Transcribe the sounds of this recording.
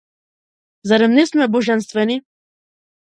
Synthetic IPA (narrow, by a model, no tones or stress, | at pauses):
zaɾɛmnismɛbɔʒɛnst̪vɛni